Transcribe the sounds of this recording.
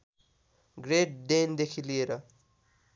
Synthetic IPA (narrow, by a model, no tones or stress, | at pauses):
ɡreʈ̚ɖend̪ekʰilieɾʌ